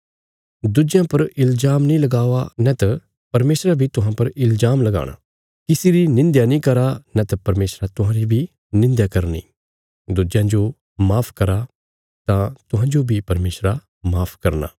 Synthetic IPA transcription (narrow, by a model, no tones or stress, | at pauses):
d̪ud͡ʒjãpɐɾɪlzaːmnĩlɐɡaːʋanɛt̪ɐ | pɐɾmeːsɾabʱit̪ʊɦãpɐɾɪlzaːmlɐɡa̰ːɽ̃a̰ː | kɪsiɾinɪ̃nd̪janĩːkɐɾanɛt̪ɐpɐɾmeːsɾat̪ʊɦãɾibʱi | nɪ̃nd̪jakɐɾnḭː | d̪ud͡ʒjãd͡ʒo | maːpʰkɐɾa | t̪ãt̪ʊɦãd͡ʒobʱipɐɾmeːsɾa | maːpʰkɐɾna̰ː